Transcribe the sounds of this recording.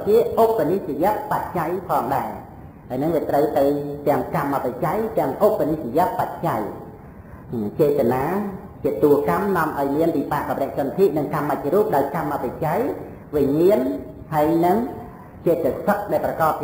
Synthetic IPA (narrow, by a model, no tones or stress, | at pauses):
t͡ɕiəʔopːaniht͡ɕijɛ̆əʔpat̪̚t͡ɕajpʰɑːŋɗaɛ | haəːjnɨŋʋiət̪rəwt̪ɨwt̪ɛ̆əŋkamːapat͡ɕajt̪ɛ̆əŋʔopːanihjɛ̆əʔpat̪̚t͡ɕaj | t͡ɕeːt̪anaː | t͡ɕiət̪ːuəkamnŏəmʔaɔjmiənʋiːpaːʔkamrɛ̆əʔ̚sont̪ʰiʔnɨŋkaːmːac̚ruːp̚ɗaɔjkamːapat͡ɕaj | ʋiɲiən | haəjnɨŋ | t͡ɕeːt̪ːəsək̚ɗaɛlprɑkɑːt̪̚